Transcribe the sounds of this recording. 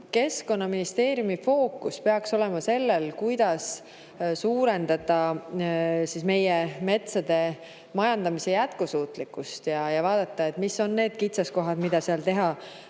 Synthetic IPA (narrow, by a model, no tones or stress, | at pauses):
ke̞sko̞nːɑminist̪e̞ːɾjumifo̞ːkːˑuspe̞ɑkso̞le̞mɑse̞lːelkujd̪̥ɑs | suːɾe̞nd̪̥ɑd̪ɑ | sisme̞jeme̞t̪sɑd̪̥e̞ | mɑjɑnd̪ɑmise̞jæt̪kusuːt̪ˑlikːˑust̪jɑjɑvɑːd̪̥ɑt̪ːˑɑe̞t̪ːˑmisːo̞nːe̞ːd̪̥kit̪sɑsko̞ɦɑd̪mid̪̥ɑseɑlt̪e̞ɦɑ